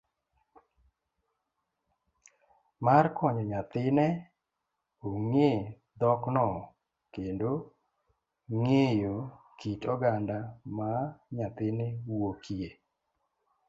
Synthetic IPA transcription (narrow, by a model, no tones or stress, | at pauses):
markɔɲɔɲat̪ɪnɛ | oŋe | d̪ɔknɔ | kendo | ŋejo | kitɔɡandamaɲat̪ɪnewokie